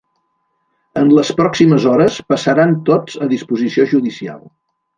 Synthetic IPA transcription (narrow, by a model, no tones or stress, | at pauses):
ənləspɾɔksiməzɔɾəspəsəɾant̪od͡zəðispuzisioʒuðisia̰lˠ